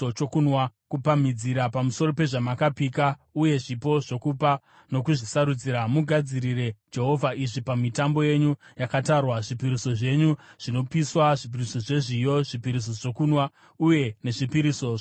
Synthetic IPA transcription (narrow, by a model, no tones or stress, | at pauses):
ot͡ʃokunwakupam̤id͡ziɾapamuso̞ro̞pe̞ʐamakapikauje̞ʐipo̞ʐo̞kupa | no̞kuʐisaɾud͡ziɾamuɡʱad͡ziɾire̞d͡ʒe̞ɦo̞vʱaʔiʐipamitambo̞je̞ɲujakatarwaʐipiɾiso̞ʐe̞ɲuʐ̥ino̞piswaʐip̬iriso̞ʐe̞ʐijo̞ʐipiɾis̬o̞ʐo̞kuːnwa | uje̞ne̞ʐipiɾiso̞ʐ